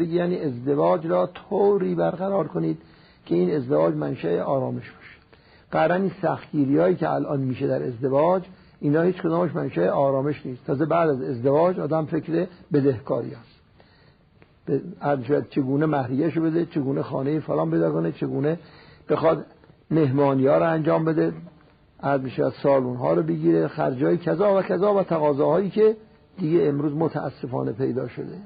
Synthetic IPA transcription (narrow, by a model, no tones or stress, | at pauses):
beɡejæːniːezd̪evɒːd͡ʒɾɒːt̪ʰowɾiːbæɾɣæɾɒːɾkʰoniːd̪̥ | kʰeiːnezd̪evɒːd͡ʒmænʃæeʔɒːɾɒːme̞ʃb̥ɒ̥ʃe̥ | ɡ̥æɾæninsæxt̪̚ɟiːɾiɒːiːkeæ̰lʔɒːnmiːʃed̪æɾḛzd̪evɒːd͡ʒ | ʔiːnɒːhiːt͡ʃkod̪ɒːmeʃmænʃæeʔɒːɾɒːmeʃniːst̪ʰɒːzebæːd̪æze̞zd̪evɒːd͡ʒɒːd̪æmfekɾebed̪ehkʰɒːɾḭjɒːs | beæɾzmiʃævæd̪̥̚t͡ʃʰeɡuːnemæhɾijæʃobed̪et͡ʃʰeɡuːnexɒ̰ːnejifolɒːmpejd̪ɒːkonet͡ʃʰeɡuːneb̥exɒd̪ | meɦmɒːniːɒːɾoænd͡ʒɒːmbed̪e | ʔæɾzmiʃævæ̰d̪̥sɒːluːnɦɒ̰ːɾobeɡiːɾexæ̰ɾd͡ʒɒːjikʰæzɒːvækʰæzɒːvæt̪ʰæɣɒːzɒːhɒːiːke | d̪iɡeːmɾuːzmot̪ʰææ̰sːefɒ̰ːnepʰejd̪ɒːʃo̰d̪e